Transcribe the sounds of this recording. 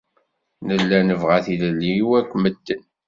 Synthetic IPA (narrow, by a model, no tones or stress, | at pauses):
nəlːænəvʁaθiləlːiwækʷːməd̪ːən